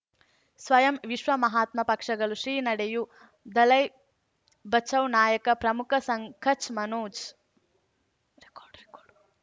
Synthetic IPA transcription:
sʋɐjɐmʋiʃʋɐmɐɦaːt̪mɐpɐkʂɐɡɐluʃɾiːnɐɽeju | d̪ɐlɐj | bɐt͡ʃɐwnaːjɐkɐpɾɐmukʰɐsɐŋkʰɐt͡ʃmɐnuːt͡ʃ

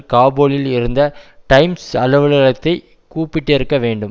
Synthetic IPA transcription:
kaːboːɭɪlɪɾɯnd̪ɐʈɐɪmsɐlɐʋɐɭɐɻɐt̪ːɐɪ | kuːpːɪʈːɪɾɯkːɐʋeːɳɖɯm

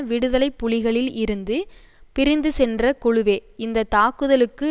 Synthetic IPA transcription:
ʋɪɽɯðɐlɐɪpːʊlɪɣɐɭɪlɪɾɯnd̪ɯ | pɪɾɪnd̪ɯsɛndrɐkʊɻʊʋeːɪnd̪ɐt̪aːkɯðɐlɯkːɯ

